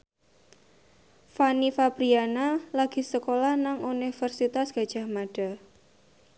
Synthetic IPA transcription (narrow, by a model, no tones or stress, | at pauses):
fanifabɾianalaɡ̥i̤səkolahnaŋunifərsit̪asɡ̥a̤d̥ʒ̥a̤hmaɖ̥a̤